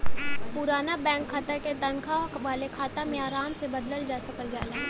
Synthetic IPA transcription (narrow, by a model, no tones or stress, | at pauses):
pʊɾaːnabɛ̃ːŋkʰːat̪əɾket̪ɐnkʰaʋaːlekʰaːt̪amẽaːɾaːmsebɐd̪ləld͡ʒaːsəkəld͡ʒaːlaː